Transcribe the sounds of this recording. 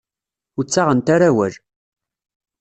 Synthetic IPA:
ʊt͡sːaʁənt̪aɾawæl

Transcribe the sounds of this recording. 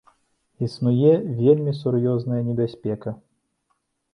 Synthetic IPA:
isnujɛvʲelʲmʲisurjɔznɐjɐnʲɛbʲasʲpʲɛkɐ

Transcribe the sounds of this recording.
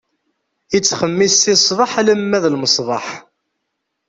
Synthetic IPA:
it͡sːχəmːisːisˤðˤɑħləmːæðlməsˤðˤɑħ

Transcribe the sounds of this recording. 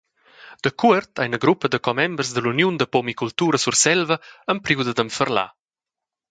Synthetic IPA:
d̪̥əkuəɾt̪ʰajnəɡɾupːəd̪əkɔmɛmbrzd̪əlunjund̪əpomikult̪uːɾəsursɛlvəəmpɾiwd̪əd̪əmfərla̰

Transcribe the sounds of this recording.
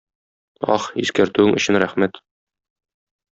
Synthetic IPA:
ɒ̰χiskæɾt̪ʉɘŋɵ̆ɕɘnɾæχmæt̪

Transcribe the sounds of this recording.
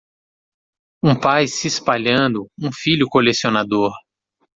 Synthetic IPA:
ũpajsɪspaʎɐ̃nd̪ʊũfiʎʊkolesionad̪oɾ

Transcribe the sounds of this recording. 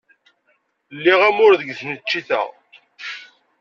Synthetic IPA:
lːiʁæmʊɾðəɡθnət͡ʃːiθæ̰ʁ

